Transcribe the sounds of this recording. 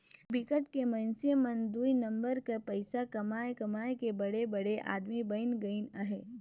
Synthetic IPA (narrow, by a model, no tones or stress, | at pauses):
bɪkəʈkemɐ̃nsiemɐ̃nd̪uinɐ̃mbəɾkapɐɪsakɐmaːekɐmaːekebɐɽebɐɽeʔa̰ːd̪mibɐɪnɡɐinəɦeː